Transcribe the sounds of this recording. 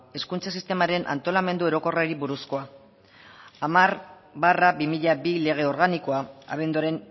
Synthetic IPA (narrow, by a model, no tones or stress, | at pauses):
e̞skunt͡sasist̪e̞maɾe̞nʔa̰nt̪o̞lame̞nd̪ue̞ɾo̞ko̞raɾiβuɾusko̞a | amaɾ | barabimiʎabile̞ɣ̞e̞o̞ɾɣaniko̞aa̰βe̞nd̪uaɾe̞n